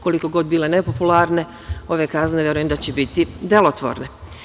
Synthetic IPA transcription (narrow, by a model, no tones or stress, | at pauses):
ko̞likoɡo̞d̪bile̞ne̞populˠaɾne̞ | o̞ʋe̞kazneʋjɾujemd̪at͡ɕebit̪id̪e̞lo̞t̪ʋo̰ɾne̞